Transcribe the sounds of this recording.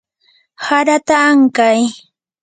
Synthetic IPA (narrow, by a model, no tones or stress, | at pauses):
haɾat̪aːŋkaj